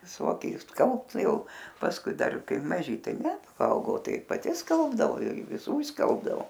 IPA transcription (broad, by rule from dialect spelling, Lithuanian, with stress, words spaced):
ʋʲɪˈsoːkʲɪ ɪʃsˈkɐlˠpt ˈjɛʊ pɐsˈkʊɪ ˈdɐr ˈkɐɪ mɐˈʒʲɪ ˈtɐɪ ˈnʲɛ pɐˈɐʊɡɐʊ tɐɪ pɐˈtʲɪ ˈskɐlˠbdɐʋoː ɪr ʋʲɪˈsuː ɪʃˈskɐlˠbdɐʋoː